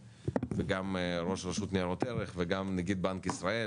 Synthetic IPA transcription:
veɡamɾo̞ʃʁaʃut̪niaʁot̪eɾeχveɡamnaɡid̪̚bankisɾae

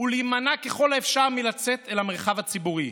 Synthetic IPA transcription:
ulimanake̞χo̞laefʃaʁmilat͡se̞t̪elhameʁχavhat͡sibuʁi

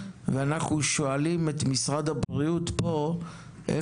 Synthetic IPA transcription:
veanaχnuʃo̞alimet̪misʁad̪abʁiutpo̞ | ʔḛ

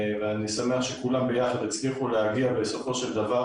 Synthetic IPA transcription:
veanisame̞aχʃekulambejaχad̪et͡sliχuleaɡiabe̞so̞fo̞ʃe̞ld̪ava

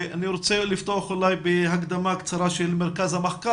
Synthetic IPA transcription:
aniɾot͡selift̪oaχulajbeɦaɡd̪amakt͡saɾaʃelmeɾkazhameχka

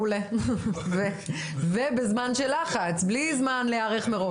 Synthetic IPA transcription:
uleve | vebezmanʃelaχat͡sblizmanleaʁeχmeʁo

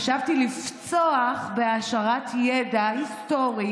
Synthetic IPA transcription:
ʃavtilift͡soaχbe̞aʃaʁatjedaist̪o̞ʁi

